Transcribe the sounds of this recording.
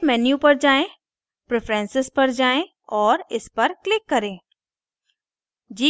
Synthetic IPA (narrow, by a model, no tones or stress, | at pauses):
mɛːnjupɐɾd͡ʒaːẽ | pɾepʰɾɛ̃ːnsɪspɐɾd͡ʒaːẽ | ɔːɾɪspɐɾklɪkːɐɾẽː | d͡ʒiː